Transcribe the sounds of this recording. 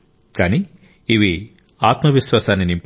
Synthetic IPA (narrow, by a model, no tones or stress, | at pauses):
kaːniː | ʋi | aːt̪mɐʋiʃʋaːsaːnːinimp